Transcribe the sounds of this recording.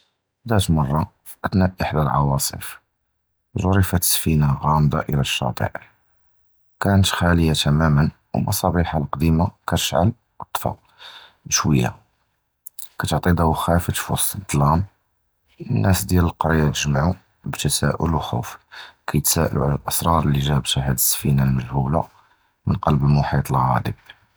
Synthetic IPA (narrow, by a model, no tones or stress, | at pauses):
d̪æt̪mɑrˤːɑ | ʔət̪næʔəħd̪alʕɑ̰wɑsˤə̰f | zˤoɾifat̪sfinaɣɑmd̪ɑ̰ʔiɾɑʃːɑ̰t̪ˤə̰ʕ | kænət̪xæləjat̪æmæmən | wmɑsˤɑbiħalqd̪imakæt̪əʃʕa̰l | wət̪ˤːfɑ̰ | əʃwəjːa̰ | kæt̪ʕt̪ˤid̪æhuxæfət̪fo̰sˤəd̪lɑm | ənːʔæsd̪jæləlqɑɾjːat̪əʒmaʕu | bt̪æsæʔʊ̰lwxṵfkʰæjət̪sæʔə̰luʕalælʔɑsɾˤɑɾˤəlːiʒæbʃæhæd̪əsːfinalməʒhula̰ | mənqɑlbəlmʊħit̪ˤəlɣæ̰d̪ə̰b̚